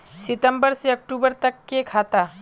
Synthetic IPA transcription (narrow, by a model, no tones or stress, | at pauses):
sit̪əmbəɾseək̚ʈubəɾt̪əkːekʰat̪a